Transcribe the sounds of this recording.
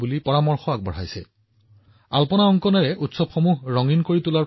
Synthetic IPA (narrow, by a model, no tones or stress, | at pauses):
bulipɔɹamɔɹxɔak̚bɔ̰ɹ̤ajsɛ̰ | alpɔnaɔŋkɔnɛɹɛʔutsɔbxɔmuɦɹɔŋinkoɹitula